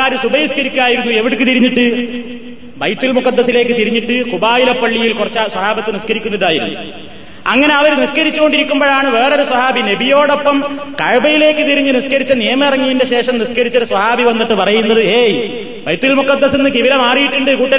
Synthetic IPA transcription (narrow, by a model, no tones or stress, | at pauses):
aːɾɨsubɐjiskɐɾikʲːuaːjiɾunːueʋiɽɨkːɨt̪iɾiɲːiʈːɨ | bɐjt̪ːulmukɐd̪ːɐsile̞ːkːɨt̪iɾiɲːiʈːɨkubaːjilɐpːɐɭːijilkurɐt͡ɕːaswɐɦaːbɐt̪ːɨniskɐɾikʲːunːuɽɖaːjiɾṵnːu | ɐ̰ŋːɐne̞ɐʋɐɾniskɐɾit͡ɕːuko̞ɳɖiɾikʲːumboɻɭaːɳɨʋe̞ːro̞ɾuswɐɦaːbine̞bijo̞ːɽopːɐmkɐɻbɐjile̞ːkːɨt̪iɾiɲːɨniskɐɾit͡ɕːɐnijɐmɐirɐŋːijinde̞ɕe̞ːʂɐmniskɐɾit͡ɕːoɾuswɐhaːbʱiʋɐnːiʈːɨpɐrɐjunːɐðɨeːj | bɐjt̪ːulmukɐd̪ːɐsinːɨkiʋilɐmaːrijiʈːuɳɖɨkuːʈːɐ